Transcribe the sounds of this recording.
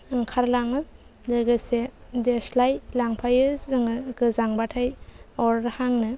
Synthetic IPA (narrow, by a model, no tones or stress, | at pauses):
ɯŋkʰaɾlaŋɯ | dɯɡɯsedeslajlaŋpʰajɯzɯŋɯɡɯzaŋbatʰajɔɾɾhaŋnɯ